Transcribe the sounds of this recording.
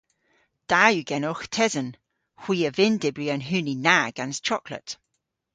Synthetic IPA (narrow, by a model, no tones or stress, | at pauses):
d̥ajʉɡɛnɔxtʰɛzən | hw̥iːəvɪndɪbɹiənɦʉːninaɡ̥ãnz̥t͡ʃʰɔklə̰t